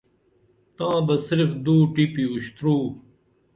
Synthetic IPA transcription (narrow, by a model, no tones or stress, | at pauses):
t̪ãːbɐsɪɾfd̪uːʈipiuɕt̪ɾuː